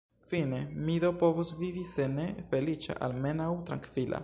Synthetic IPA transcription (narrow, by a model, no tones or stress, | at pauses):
fine̞midopo̞vosvivise̞ne̞fe̞lit͡ʃa̰ʔalme̞nawt̪ɾaŋkv̥ilʔa̰